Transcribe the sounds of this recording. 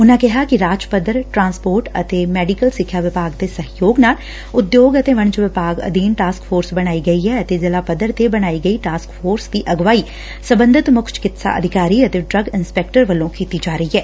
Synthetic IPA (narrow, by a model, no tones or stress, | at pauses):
ʊnãːkɪɦaːkɪɾaːd͡ʒpəd̪əɾʈɾãːnspoːɾʈə̰t̪eːmɛːɖikəlsɪkʰːjaːʋɪpaːɡd̪eːsəɦjoːɡnaːl | ʊd̪joːɡət̪eːʋəɳ̃t͡ʃʋɪpaːɡə̰d̪iːnʈaːskpʰoːɾsbəɽ̃ñaːiɡəiːɦɛːət̪eːzɪlaːpəd̪əɾt̪ebəɽ̃aːiːɡəiːʈaːskpʰoːɾsd̪iːʔəɡʋaːiː | səbə̃nd̪ʱɪt̪mʊkʰt͡ʃkɪt̪sa̰ʔə̰d̪ʱɪkaːɾiːət̪eːɖɾəɡɪnspɛːk̚ʈəɾʋəlːõːkiːt̪iːd͡ʒaːɾəiːɦɛː